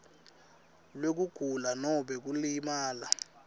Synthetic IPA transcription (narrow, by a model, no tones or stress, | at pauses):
lwek̬uɡ̥ʱulanɔɓɛk̬ulimaːla